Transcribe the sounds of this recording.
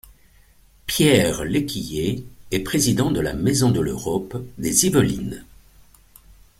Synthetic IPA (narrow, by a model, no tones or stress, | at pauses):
pjɛʁlekʲijeɛpχezid̪ɑ̃d̪əla̰mezɔ̃d̪əløʁɔpd̪ezivəlḭn